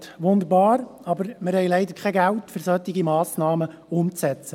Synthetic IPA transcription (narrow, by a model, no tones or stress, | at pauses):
tʋʊnd̪əɾbɑːɾɑbəɾmɪɾhɛɪlɛɪd̪əɾkʰχɛɡæltfʏɾsœt̪ːɪɡimɑːsnɑːməʊmt͡sɛt͡sə